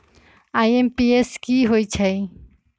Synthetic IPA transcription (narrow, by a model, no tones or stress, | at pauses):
aːjempieskiːɦoit͡ɕʰej